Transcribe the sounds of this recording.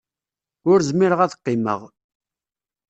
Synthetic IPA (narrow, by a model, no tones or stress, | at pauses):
ʊɾzmiɾəʁæθə̥qːɪmə̰ʁ